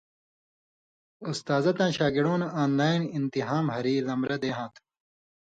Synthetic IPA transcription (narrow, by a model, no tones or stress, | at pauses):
ust̪aːzɐt̪ãːɕaːɡiɽoːnaːnlaːinint̪iɦaːmhɐɾiːlɐmɾɐd̪eːɦãːt̪ʰ